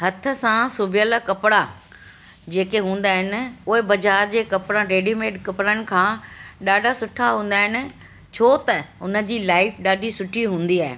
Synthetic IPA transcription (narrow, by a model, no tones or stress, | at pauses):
ɦɐt̪ʰəsãsʊbɪjəlkɐpɽa | d͡ʑeːkeɦũːn̆d̪aːɦɪnɪ̆ʊɦɪbɐd͡ʑaːɾd͡ʑeːkɐpɽãɾeːɖimeːɖkɐpɽənɪ̆kʰãːɗaːɖʱasʊʈʰaɦũːnd̪aːɦɪnɪ̆ | t͡ɕʰoːt̪ɐʊnə̆d͡ʑiːlaːɪfʰɗaːɖʱisʊʈʰiɦũːn̆d̪iaːɦḛ